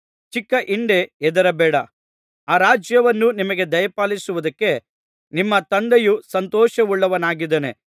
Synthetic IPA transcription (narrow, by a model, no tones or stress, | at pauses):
t͡ʃikːɐʔiɳɖe̞ɛd̪ɐɾɐbɛːɽɐ | aːɾaːd͡ʒjɐʋɐnːunimɐɡe̞d̪ɐjɐpaːlisuʋud̪ɐkːe̞ | nimːɐt̪ɐnd̪ejusɐnt̪ɔːʃɐuɭːɐʋɐnaːɡid̪ɐne̞